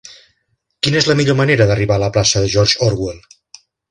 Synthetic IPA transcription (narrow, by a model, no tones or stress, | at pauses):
kinəezləmiʎoməneɾəðəriβaləplasəðəʒɔɾʒɔɾɣwel